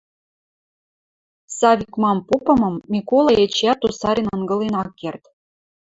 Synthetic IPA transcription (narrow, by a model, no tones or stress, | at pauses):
sɑβʲikmɑmpopɤ̆mɤ̆mːʲikolˠɑjet͡ɕjɑt̪ːusɑɾʲinɤ̆nɡɤ̆lenɑkːert̪